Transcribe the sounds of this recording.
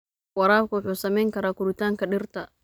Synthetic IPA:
wɐɾaːlkʊʊħuːsɐmɛjŋkɐɾaːkʊɾɪt̪aːŋkɐɗɪrt̪ʰɐ

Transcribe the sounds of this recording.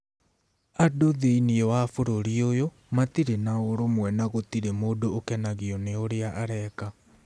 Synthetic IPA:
adoðeiniɔwafoɾoɾiojo | matiɾenaoɾomwɛnaɣotiɾemoːdoːkɛnaɣiɔneoɾeaʔaɾɛka

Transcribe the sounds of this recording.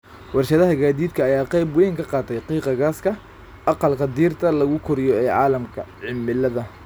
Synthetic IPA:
wɑrʃɐðɐɦɐɡaːðiːd̪kʰɐːjaːqɑjbwɔjŋkʰɐqɑːt̪ʰɛjqiːqɑɣaːskʰɐ | ʔɑqɑlkʰɐd̪iːrt̪ʰɐlɐɣʊkʰʊɾɪjɔɛːʕɑ̰ːlɐmkʰɐʕɪmɪlɐðɐ

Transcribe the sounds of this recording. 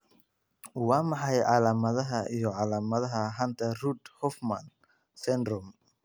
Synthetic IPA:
wɑːmɑħɑjʕɑlaːmɐðɐɦɐijɔʕɑlaːmɐðɐɦɐɦɐnt̪ʰɐrud̪hɔfmɐn | sɛnd̪ɾɔm

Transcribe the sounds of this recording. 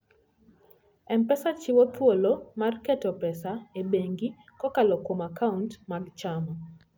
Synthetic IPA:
ɛmpɛsat͡ʃiwotwolomarkɛtɔpɛsaebeŋɡi | kɔkalɔkomakauntmaɡt͡ʃama

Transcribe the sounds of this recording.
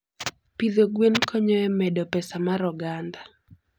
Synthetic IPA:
piðoɡwenkʰɔɲɔɛmɛdɔpɛsamaɾɔɡand̪a

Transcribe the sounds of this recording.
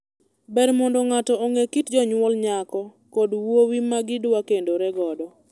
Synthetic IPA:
bɛɾmɔndɔŋatɔoŋekitd͡ʒɔɲwɔlɲakɔ | kodwowimaɡɪdwakendoɾɛɡɔdɔ

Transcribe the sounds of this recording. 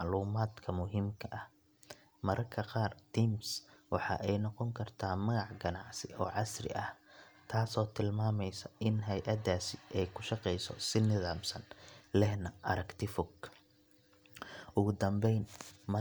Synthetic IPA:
ʕluːmaːd̪kʰɐmʊɦiːmkʰɐʔɐh | mɐɾʔɐkʰɐqɑːrt̪ʰiːmswʔɑħɑ̰ʔɛjnɔqɔŋkʰɐrt̪ʰaːmɐɣɑʕɡɐnɑʕsɪʔɔːʕɑsrɪ̰ʔɐht̪ʰaːsɔːt̪ʰɪlmaːmɛjsɐʔɪnɦɛjʔɐd̪aːsɪʔɛjkʰʊʃɑqɛjsɔ̰sɪnɪðaːmsɐnlɛhnɐʔɐɾɐkt̪ʰɪfʊɡ | ʔʊɣʊd̪ɐmbɛjnmɐ

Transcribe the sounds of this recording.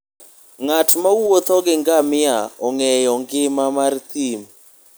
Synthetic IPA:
ŋatmawot̪ɔɡɪŋɡamɪaɔŋɛjɔŋɡɪmamart̪im

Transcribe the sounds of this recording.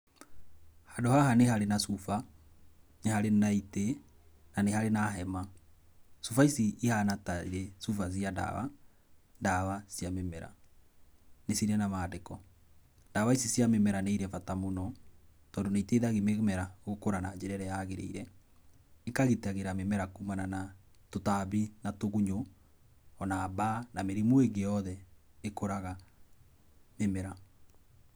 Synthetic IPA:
hadohaɦanehaɾenasufa | nehaɾenaite | nanehaɾenaɦɛma | sufaisiihanataḭɾɛsufas̬ianda̰βa̰ | ndaβasjamemɛɾa̰ | nesiɾɛnamadekɔ | ndaβaisisjamemɛɾaneiɾɛfatamonɔtɔːndonaiteiðaɣimemɛɾaɣokoɾanad͡ʑeɾɛɾɛjaɣeɾḛiɾɛ | ekaɣetaɣeɾamemɛɾakumanana | totaβinatoɣuɲo | ɔnaːbanameɾimoeɡejɔðɛ | ekoɾaɣa | memɛɾa

